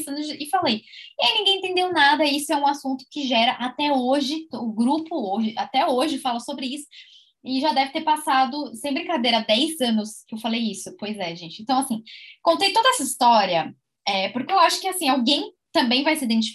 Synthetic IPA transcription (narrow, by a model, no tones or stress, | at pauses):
zɐ̃nʊzd͡ʒɪɪfalejẽnĩɡẽẽt̪ẽnd̪ewnad̪ɐisʊɛũasũnt̪ʊ̥kɪʒɛɾɐʔat̪ɛoʒɪʊɡɾupʊoʒɪat̪ɛoʒɪfalɐsobɾɪisʊ̥ | ɪʒad̪ɛvɪt̪eɾpasad̪ʊsẽj̃bɾĩkad̪ejɾɐd̪ɛjzɐ̃nʊskewfalejisʊpojzɛʒẽt͡ʃɪẽt̪ɐ̃w̃asĩkõnt̪ejt̪od̪ɐɛsɐist̪ɔɾiɐ | ɛpʊɾkeewaʃʊ̥kɪasĩawɡẽj̃ | t̪ɐ̃mbẽj̃vajsɪid̪ẽnt͡ʃi